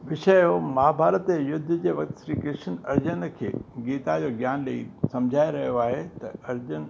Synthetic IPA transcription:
ʋɪʃəjomaːbʱaːɾət̪ejʊd̪ʱːd͡ʑeʋɐkt̪sɾikɪʃənɐɾd͡ʑənkʰḛːɡiːt̪ad͡ʑoːɡjaːnlɐisɐ̃md͡ʑʱaːeɾɐɦijoaːɦet̪ɐɐɾd͡ʑən

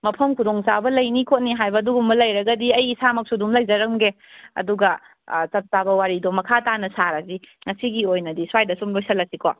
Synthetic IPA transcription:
mɐpʰɐmkʰudoŋt͡ʃabɐlɐjnikʰot̚niɦajbɐːduɡumbɐlɐjɾɐɡɐdiɐjːsamɐk̚sudumlɐjd͡ʒɐɾɐmɡe | ɐ̰duɡɐ | t͡ʃɐp̚t͡ʃabɐwaɾidomɐkʰatanɐsaɾɐziŋɐsiɡiojnɐdiswajdɐsumlojsɐlːɐsikʰo̰

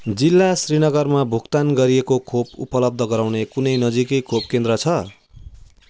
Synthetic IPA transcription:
d͡zilːasrinʌɡʌrmabʱukt̪anɡʌɾiekokʰopṵpʌlʌb̚d̪ʱʌɡʌɾawnekunʌjnʌd͡zikʌjkʰopkẽnd̪ɾʌt͡sʰʌ

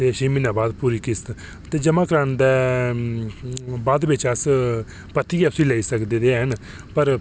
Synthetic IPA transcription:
t̪eːʃiːminaːbaːd̪puːɾiːkɪst̪ | t̪eːd͡ʒəmãːkɾəɳd̪ɛː | baːd̪ʋɪt͡ʃəs | pət̪iːɛːʊsĩːləiːsəkd̪eːd̪eːɦən | pəɾ

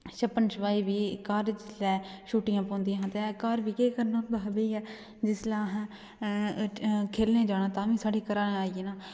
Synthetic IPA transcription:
ʃəpənʃəʋaːiːʋiːkaɾd͡ʒɪslɛːʃuːʈɪjãːpɔ̃ːnd̪ijãɦãːt̪ekaɾbiːkeːkəɾnaːb̪əɦbeiɛː | d͡ʒɪslɛːɦ | kʰeːlnẽːd͡ʒaːnãːt̪ãːʋĩːsaːɖiːkəɾaːnẽaːiːeːnaː

